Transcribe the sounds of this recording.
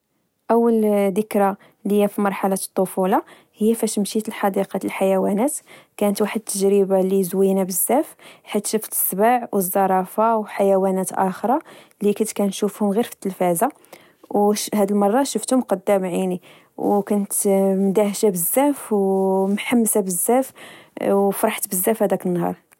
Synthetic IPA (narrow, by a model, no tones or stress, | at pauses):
ʔæwːəld̪əkɾɑ | ləjːæfimɑɾˤħalɑt̪ˤːofulɑ | həjːæfæʃmʃit̪əlħɑd̪iqɑəlħajæwænæt̪kænət̪waħəd̪̚t̪ʰːəʒɾəbalizwinabəzːæfħit̪ʃəft̪sbaʕwʔəzˤːɑɾˤɑfawħajæwænæt̪ʔæ̰xɾˤɑ | likʊnt̪kænʃufhʊmɣiɾfi̥t̪ːəlfæza | whæd̪əlmɑrˤːɑʃəft̪hʊmqɑd̪ːæmʕini | wkʊnt̪md̪æhʃabəzːæfwmħamːsabəzːæfwfɾˤɑħt̪bəzːæfhæd̪ækənːhɑ̰ɾˤ